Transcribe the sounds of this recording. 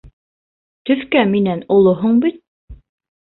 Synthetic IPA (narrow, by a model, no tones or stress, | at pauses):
t̪ɵ̆θkæminænŏlˠoɦuɴbit̪̚